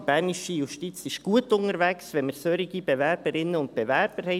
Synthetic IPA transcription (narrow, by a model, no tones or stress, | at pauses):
b̥æɾniʃəjuʃtit͡sɪʃɡ̥uətʊŋəɾvæksʋɛnməɾsøɾiɡib̥evæɾb̥əɾɪnːəʊnt̚b̥evæɾb̥əɾhɛ